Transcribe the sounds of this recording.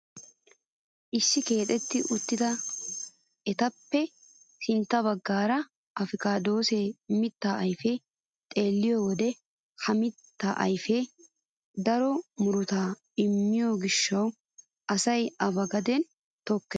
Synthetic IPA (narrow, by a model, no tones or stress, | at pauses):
ʔɪsːɪke̞ːt̪ʼɛt̪ːɪʔʊt̪ːɪd̪ɐ | ɛt̪ɐpːɛ | sɪnt̪ːɐbɐɡːaːɾɐ | ʔɐfɪkaːd̪o̞ːseːmɪt̪ːaːɐjfeː | t̪ʼe̞ːlːɪjoːwɔd̪ɛ | hɐmɪt̪ːaːʔɐ̰jfe | d̪ɐɾɔmʊɾʊt̪aː | ɪmːɪjoɡɪʃːɐw | ʔɐsɐjɐbɐɡɐd̪ɛn | t̪ɔkːɛ